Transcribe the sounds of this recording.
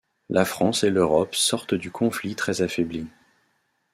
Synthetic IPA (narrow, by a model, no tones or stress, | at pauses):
lʔafχɑ̃seløʁɔpsɔʁt̪d̪ykʰɔ̃flit̪χɛzafɛbli